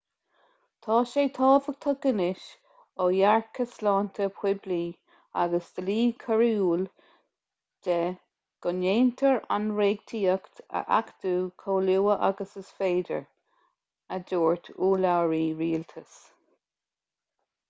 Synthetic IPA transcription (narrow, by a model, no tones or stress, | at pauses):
t̪ʰɑːʃeːt̪ʰɑːvəɡ̚t̪ʰɑɡɪnɪʃ | ojaɹkʰəslɑːnt̪ʰəpʰw̥ɪbliː | a̰ɡəsd̪̥əliːkʰəɹiuːl | d̪̥ɛ | ɡ̥ʊneːnt̪ʰəɹa̰nɹeːɡt̪ʰiːəkt̪ə̰ʔa̰kd̪uːkʰoːluːəʔa̰ɡəsəsfeːdə̰ɹ | əd̪oːɹt̪ʰuːlawɹiːɹiːlt̪ʰəs